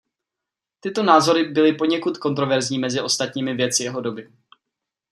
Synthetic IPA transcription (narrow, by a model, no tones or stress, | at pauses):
t̪ɪt̪o̞naːzo̞ɾɪbɪlɪpo̞ɲɛkut̪ko̞nt̪ɾo̞vɛɾzɲiːmɛzɪʔo̞st̪at̪ɲiːmɪvjɛt̪t͡sɪjɛɦo̞do̞bɪ